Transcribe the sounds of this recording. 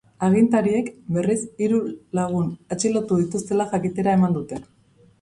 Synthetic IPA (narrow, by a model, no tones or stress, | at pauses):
aɣ̞int̪aɾie̞kbe̞risiɾulaɣ̞unet͡ʃilo̞t̪uð̞it̪ust̪e̞laxakit̪e̞ɾaemand̪ut̪e̞